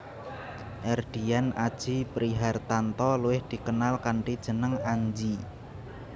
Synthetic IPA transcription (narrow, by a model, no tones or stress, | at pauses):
ʔɛrd̪̥ianad̥ʒ̥ipɾiɦart̪ant̪ɔluwɪhd̪̥i̤kənalkaɳʈid̥ʒ̥ə̤nəŋaɲd͡ʒi